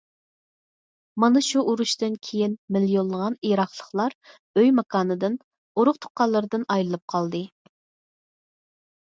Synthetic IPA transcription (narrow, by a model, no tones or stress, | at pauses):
mɑnɨʃuʔuɾuʃt̪ɨnkʲʰejinmɪlijolˠːəʁɑnijɾɑχlˠəχlˠɑɾ | øjmɑkʰɑːnɨd̪ɨn | oɾʊqt̪ʰo̥qːɑlˠːəɾɨd̪ɨnɑjlɨlˠɨp̚qʰɑlˠd̪ɨ